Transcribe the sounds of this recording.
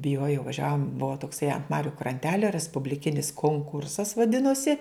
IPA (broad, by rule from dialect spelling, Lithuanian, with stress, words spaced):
bʲɪˈjuɔjɛʊ ʋɐˈʒʲæːʋoːm ˈbʊʋoː toːkˈsɐɪ ɐnt ˈmɑːrʲʊ krɐnʲˈtʲæːlʲoː rʲɛspʊbʲlʲɪˈkʲɪnʲɪs koːŋˈkʊrsɐs ʋɐˈdʲɪnoːsʲɪ